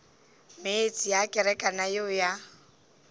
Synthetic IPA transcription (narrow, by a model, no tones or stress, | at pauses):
meet͡sʼijakʼɛɾɛkʼanajoja